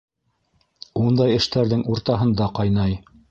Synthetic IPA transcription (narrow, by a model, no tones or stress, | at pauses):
und̪ɑjɘ̆ʃt̪æɾðɘŋuɾt̪ɑɦɤ̆nd̪ɑqɑjnɑj